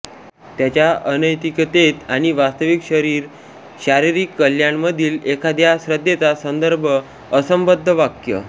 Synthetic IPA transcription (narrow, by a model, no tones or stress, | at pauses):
t̪jat͡ɕjaənəjt̪ikt̪et̪aɽ̃iʋast̪əʋikɕəɾiːɾ | ɕaɾiɾikːəljaɳməd̪ʱiːlekʰad̪jasɾəd̪ːjet͡sasənd̪əɾbʱəː | səmbəd̪ʱːəʋakjə̰